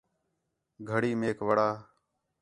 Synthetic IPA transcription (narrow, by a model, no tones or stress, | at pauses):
ɡʱəɽiːmeːkʋəɽaː